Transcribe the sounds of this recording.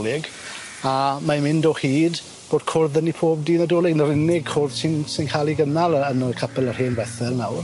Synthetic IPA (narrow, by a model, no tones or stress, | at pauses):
lɪɡ | amamɪndɔhiːd | b̥oːd̥̚kʰʊrðənipʰoːb̚diːnədoːlˠɪɡnəɾɪnɪɡ̚kʰʊrð̥sɪnsɪnkʰaːlˠiɡənalˠənəkʰəpʰɛlˠərheːnvɛθɛlˠnawr